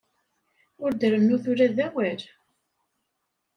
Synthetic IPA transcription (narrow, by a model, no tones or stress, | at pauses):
ʊɾd̪əɾənːuθʊɾæðæwæɾ